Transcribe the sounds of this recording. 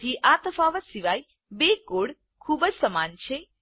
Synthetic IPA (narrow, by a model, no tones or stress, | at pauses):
t̪ʰiʔat̪əfaʋəsiʋaj | bekoɽ | kʰubəd͡ʒsəmant͡ʃʰe